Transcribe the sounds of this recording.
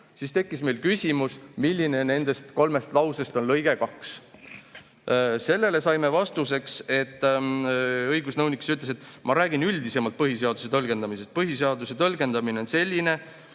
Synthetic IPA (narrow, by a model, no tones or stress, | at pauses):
sist̪e̞kːisme̞jlkysʲimusmilʲːine̞ne̞nd̪̥e̞st̪ko̞lme̞st̪lɑwse̞st̪o̞nlɤjɡ̥e̞kɑks | se̞lːe̞le̞sɑjme̞vɑst̪use̞kse̞t̪ː | ɤjɡusnɤwnikːˑi̥syt̪les̬et̪ːˑmɑɾæːɡ̥inylʲd̪ise̞mɑlt̪̚pɤɦise̞ɑd̪̥use̞t̪ɤlɡ̥e̞nd̪ɑmise̞st̪̚pɤɦis̬eɑd̪use̞t̪ɤlɡe̞nd̪ɑmineo̞nse̞lʲːine̞